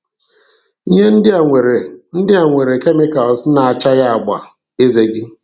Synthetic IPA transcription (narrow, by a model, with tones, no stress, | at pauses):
i˦ɦe˦n̩˦dɪ˦a˨ŋʷe˨ɾe˨n̩˦dɪ˦a˨ŋʷe˨ɾe˨ke˦mɪ˦ka˨lsna˨a˨t͡ʃa˦ɣa˦a˨ɡ͡ba̰˨ | e˦ze˦ɡɪ˦